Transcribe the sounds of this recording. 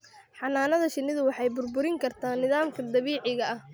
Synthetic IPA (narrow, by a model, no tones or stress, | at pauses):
ħɑnaːnɐðɐʃɪnːɪðʊwɑħɑjbʊrbʊɾɪŋkʰɐrt̪ʰaːnːɪðaːmkʰɐd̪ɐβiːʕɪɣɐɐh